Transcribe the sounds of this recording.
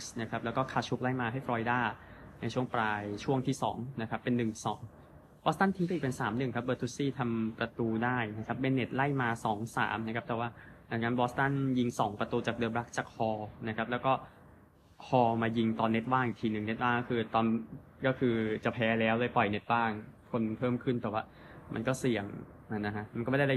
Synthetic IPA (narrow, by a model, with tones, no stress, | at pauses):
sna˦˥kʰa˦˥p̚lɛ˦˥wkɔː˥˩kʰaː˦˧˩t͡ɕʰu˦˥k̚la˥˩jmaː˧ɦa˥˩fɾɔː˧jdaː˥˩na˧jt͡ɕʰu˥˩əŋplaː˧jt͡ɕʰu˥˩əŋt̪ʰiː˥˩sɔ̰ː˩˦ŋna˦˥kʰa˦˥pːe˧nːɯ˨˩ŋsɔ̰ː˩˦ŋ | bɔː˦˥st̪a˥˩nt̪ʰiː˧˥kɔ˥˨˩pe˧nsaː˩˦mnɯ˨˩ŋkʰa˦˥p̚bɤː˧t̪ʰu˦˥siː˥˩t̪ʰa˧mpɾa˧t̪uː˧daː˥˩jna˦˥kʰa˦˥p̚ːe˧nːe˨˩t̪̚la˥˩jmaː˧sɔː˩˦ŋsa̰ː˩˦mna˦˥kʰa˦˥t̪ɛː˨˩waː˥˩da˧˩ŋna˦˥nbɔː˦˥st̪a˥˩nji˧ŋsɔː˩˦ŋpɾa˧t̪uː˧t͡ɕaː˨˩k̚dɤː˧mɾa˦˥k̚t͡ɕaː˨˩k̚hɔː˧na˦˥kʰa˦˥p̚lɛː˦˥wkɔː˥˩ | kʰɔː˧maː˧ji˧ŋt̪ɔː˧nːe˦˥t̪̚waː˥˩ŋʔi˨˩t̪ʰiː˧nɯ˨˩ŋne˦˥t̪̚waː˥˩ŋɔ˥˩kʰɯː˧t̪ɔː˧n | kɔː˥˩kʰɯː˧t͡ɕa˨˩pʰɛː˨˥lɛː˦˥wlɤː˧˩jpɔ˨˩jne˦˥t̪̚baː˥˩ŋkʰo˧npʰɤː˥˩mkʰɯ˥˩nt̪ɛ˨˩waː˥˩ | mʔa˧nkɔː˥˩si˨˩əŋ | ʔa˧˩na˦˥kʰa˦˥ʔma˧nkɔ˥˩m˥˩a˥˩a˥˩